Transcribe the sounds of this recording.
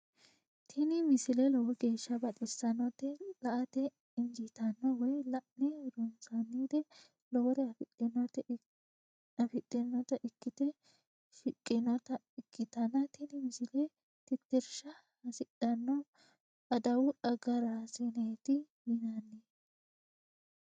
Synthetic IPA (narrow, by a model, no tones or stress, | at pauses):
t̪ʰɪnɪmɪsɪlɛlɔwɔɡe̞ːʃːɐbɐt̪ʼɪsːɐnɔt̪ːɛlɐʔɐt̪ɛ | ɪŋd͡ʒɪt̪ɐnːɔwɔjlɐʔnɛɾʊnsɐnːiːd̪ɛ | lɔwɔɾɛɐfɪtːɛnːɔt̪ɛ | ɐfɪt̪ʼːɪnːɔt̪ɐʔɪkːɪt̪ɛ | ʃɪkʼːɪnɔt̪ɐ | ɪkʰːɪt̪ɐnːɐt̪ɪnɪmɪsɪlɛ | t̪ɪt̪ːɛɾʃɐ | hɐsɪɗɐnːɔ | ɐd̪ɐwʊᶑɐɡɐɾasɪnɛt̪ɪjɪnɐnːeː